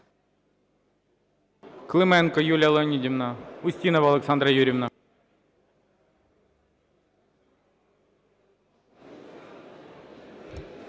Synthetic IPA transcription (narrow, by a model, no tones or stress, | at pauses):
klˠɨmɛnkɔjulʲɐlˠonʲːidʲimnaʊsʲtʲinɐvɐlˠɛksand̪ɾɐjuɾʲɪvna